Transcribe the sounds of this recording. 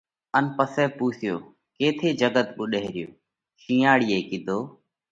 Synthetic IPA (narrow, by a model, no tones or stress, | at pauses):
ənpəsɛːpuːsɪjoː | keːt̪ʰeːd͡ʒəɡət̪ɓʊɗeɦɾɪjoː | ʃĩːaːɽiːeːkɪd̪ʱoː